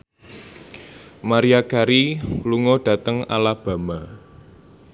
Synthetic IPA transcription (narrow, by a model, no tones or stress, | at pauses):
maɾiakaɾiluŋɔɖ̥ä̤t̪əŋa̰lab̥a̤ma